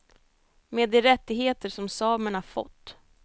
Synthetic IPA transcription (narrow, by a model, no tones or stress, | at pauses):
meːd̪ːɛɾɛt̪ːɪɡheːt̪əʂɔmsɑːməɳaɾfɔ̰t̪ː